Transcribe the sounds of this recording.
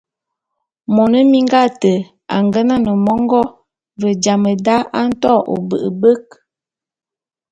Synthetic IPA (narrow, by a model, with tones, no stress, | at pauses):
mɔ˨nə˦mi˦ŋɡa˦˨tə˨ | a̰˨ŋɡə˦na˦nə˨mɔ˦ŋ˦ɡɔ˦ | və˨d͡ʒa˨mə˨da˦ʔa˦n̩˦tɔ˦˨ʔo̰˨bə̰˨ʔə̰˨bə˦k̚